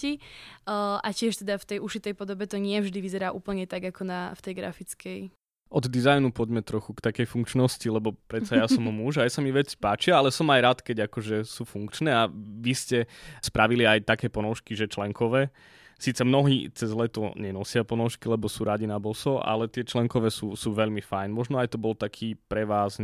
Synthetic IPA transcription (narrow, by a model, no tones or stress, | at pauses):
i | ʔacɪɛʃt̪ɛd̪aft̪ɛjuʃit̪ɛjpɔd̪ɔbɛt̪ɔɲɪɛvʒd̪iʋizɛɾaːʔuːpl̩ɲɛt̪aɡakɔnaft̪ɛjɡɾa̰fit͡skʰɛj | ʔɔd̪d̪izajnupɔɟmɛt̪ɾɔxukt̪akɛjfuŋkt͡ʃnɔscilɛbɔpɾɛt̪sajasɔmmuʒajasamiʋɛt͡si̥paːt͡ʃɪaalɛsɔmajɾat̪kɛɟakɔʒɛsuːfuŋkt͡ʃnɛːaʋiscɛspɾaʋiliajt̪akɛːpɔnɔʊʃkiʒɛt͡ʃlɛŋkʰɔʋɛː | siːt͡sɛmnɔɦiːt͡sɛzlɛt̪ɔ̰ɲɛnɔsɪapɔnɔʊʃkilɛbɔsuːɾaɟinabɔsɔa̰lɛt̪ɪɛt͡ʃlɛŋkɔʋɛːsuːsuːʋɛʎmifajnmɔʒnɔajt̪ɔbɔlt̪akʰiːpɾɛʋaːz